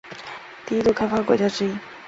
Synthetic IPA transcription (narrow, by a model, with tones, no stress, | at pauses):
t̪i˥˧i˥t̪u˥˧˩kʰa˥ɪfa˥kwɔ̰˨˩t͡ɕja˥ʈ͡ʂɻ̩˥i˥˩